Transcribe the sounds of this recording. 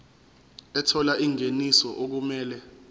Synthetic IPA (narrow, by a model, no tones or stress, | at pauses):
ɛtʰɔlaʔiŋenisɔʔok̬umɛːlɛ